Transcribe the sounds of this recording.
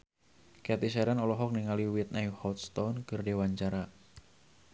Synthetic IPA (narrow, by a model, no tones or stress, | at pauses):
kɛt̪isɛɾanɔlɔɦɔk̚niŋaliwit̪̚najhɔt̪st̪ɔnkɨrdewaɲt͡ʃaɾa